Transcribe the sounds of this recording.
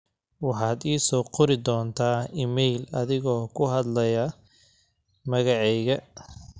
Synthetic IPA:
wɑħɑːd̪iːsɔːqʊɾɪd̪ɔːnt̪ʰaːimɛjlɐðɪɣɔːkʰʊɦɐd̪lɐjɐ | mɐɣɑʕɛjɣɐ

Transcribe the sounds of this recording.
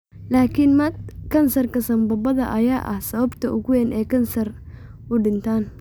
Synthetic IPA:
laːkʰɪnmɐd̪kʰɐnsɐrkʰɐsɐmbɐbɐðɐ̰ʔɐjaːʔɐ̰hsɐβɐbt̪ʰɐʔʊɣʊwɛnʔɛːkʰɐnsɐr | ʊɖɪnt̪ʰaːn

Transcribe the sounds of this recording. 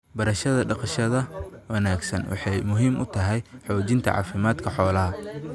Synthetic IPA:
bɐɾɐʃɐðɐɖɑqʃɐðɐwɐnaːɡsɐ̰nwɑ̰ħɑjmʊɦiːmʔʊt̪ʰɐɦɛjħɔːt͡ʃɪnt̪ʰɐ̰ʕɑ̰ːfɪmaːd̪kʰɐħɔːlɐɦɐ

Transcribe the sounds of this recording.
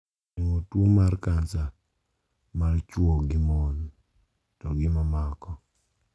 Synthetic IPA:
eŋotwomarkansa | mart͡ʃwoɡɪmon | tɔɡɪmamakɔ

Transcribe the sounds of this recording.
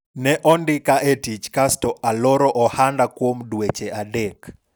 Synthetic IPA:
nɛʔɔndɪkaʔetit͡ʃkastɔʔalɔɾɔʔɔhandakwomdwet͡ʃeadɛk

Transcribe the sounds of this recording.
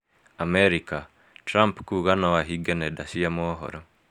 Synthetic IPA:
amɛɾika | tɾampkuɣanawaɦiɡɛnɛdasiamɔɦɔ̰ɾɔ

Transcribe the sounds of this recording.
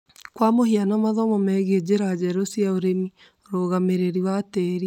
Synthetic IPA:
kwamohianamaðɔmɔmɛːɣed͡ʑeɾad͡ʑɛɾosijaoɾemi | ɾoːɣameɾeɾiwatɛɾi

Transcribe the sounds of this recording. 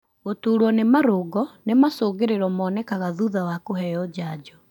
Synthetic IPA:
ɣotuːɾwɔnemaɾoɣɔnemasoːɣeɾeɾɔmɔːnɛkaɣaðuðawakoɦɛɔd͡ʑaːd͡ʑɔ

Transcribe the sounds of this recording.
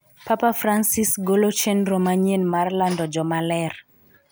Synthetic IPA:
papafransisɡolot͡ʃɛnromaɲenmarlandɔd͡ʒɔmalɛr

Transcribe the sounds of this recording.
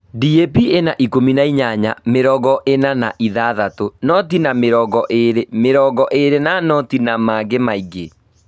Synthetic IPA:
diepienaʔikominaiɲaɲa̰meɾɔɣɔʔenanaʔiðaːðatonɔtinameɾɔɣɔʔeɾemeɾɔɣɔʔeɾenanɔtinamaːɡemaiɡe

